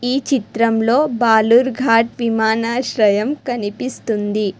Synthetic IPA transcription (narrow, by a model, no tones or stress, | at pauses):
iːt͡ʃit̪ɾɐmlo̞ːbaːluɾɡʱaːʈʋimaːnaːʃɾɐjɐmkɐnipist̪und̪i